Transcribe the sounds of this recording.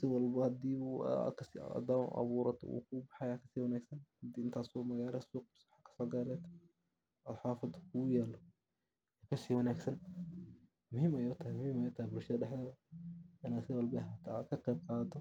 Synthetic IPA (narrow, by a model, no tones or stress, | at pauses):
sɪwɑlbɐhɐd̪iːṵkʰɐsḭd̪aːm̰ʔɐ̰βuːɾɐt̪ʰɔ̰ṵːkʰʊbɑħɑjaːkʰɐ̥siːwɐnaːɡsɐnhd̪iːɪnt̪ʰaːsɔmɐɣaːɾɛsuːq̚sħakʰɐ̥sɔːɡɐlɛt̪ | ɐlħaːfɪðkʰʊjɛːlɔ | ɛkʰɐsiːwɐnaːɡsɐn | mʊhiːmɛjʊt̪ʰɐhɛmʊhiːmɛjʊt̪ʰɐhɛbʊlʃɐðɐɗɛħlɛːðɐɪnaːsɪwɑlbɐhɐt̪ʰakʰɐqɛːb̚qɑːd̪ɔ